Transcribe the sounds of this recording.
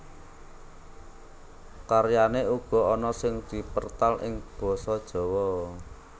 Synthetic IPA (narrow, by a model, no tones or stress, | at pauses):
karjaneuɡ̥ɔ̤ɔnɔsɪŋd̪̥i̤pərt̪alʔɪ̰ŋb̥ɔ̤sɔd̥ʒ̥ɔ̤wɔ